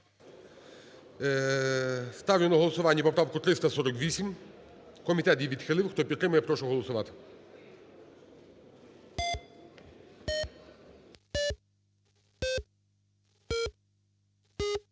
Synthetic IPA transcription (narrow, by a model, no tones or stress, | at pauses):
st̪ɑwjʲʊnɐɦɔlˠɔsʊʋɑnʲːɐpɔpɾɑʋkʊt̪ɾɪst̪ɐsɔɾɔkʋʲisʲim | kɔmʲit̪ɛt̪jiʋʲid̪xɪlˠɪwxt̪ɔpʲit̪ːɾɪmʊjɛpɾɔʃʊɦɔlˠɔsʊʋɑt̪ɪ̥